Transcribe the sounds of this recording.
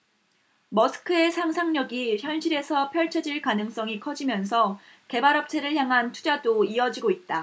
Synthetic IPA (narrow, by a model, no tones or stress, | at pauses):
mʌsʰɯ̥kʰɯe̞sʰaŋsʰaŋɲʌɡiçjʌnɕʰiɾe̞sʰʌpʰjʌɭt͡ɕʰʌd͡ʑiɭkanɯŋs͈ʌŋikʰʌd͡ʑimjʌnsʰʌ | ke̞baɾʌp̚t͡ɕʰe̞ɾɯɭçjaŋɦantʰu̥d͡ʑadoiʌd͡ʑiɡoit̚t͈a